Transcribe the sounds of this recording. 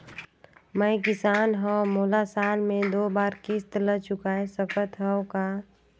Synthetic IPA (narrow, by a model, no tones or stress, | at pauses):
məɪkɪsaːnɦə̃moːlasaːlmẽd̪oːbaːɾkist̪lət͡ʃʊkaːesəpət̪ɦəokaː